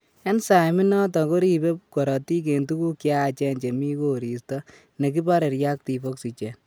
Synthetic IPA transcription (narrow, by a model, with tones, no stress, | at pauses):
e˦nsa˨mi˦nɔ˦tɔ˨ko˦ɾi˨be˦kɔ˨ɾɔ˨ti˦k̬e˨ntu˦ku˦kja˦˨t͡ʃɛ˧nt͡ʃe˨mi˦ko˨ɾi˨stɔ˦ | ne˨k̬i˦ba˦ɾe˨ɾja˦k̚ti˨fo˦ksi˨t͡ʃɛ˨n